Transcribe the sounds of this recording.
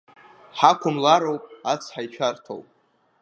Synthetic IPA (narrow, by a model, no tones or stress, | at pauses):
ħakʷʰʊmlaɾowpʼat͡sʰħajt͡ʃʷʰartʰo̰wpʼ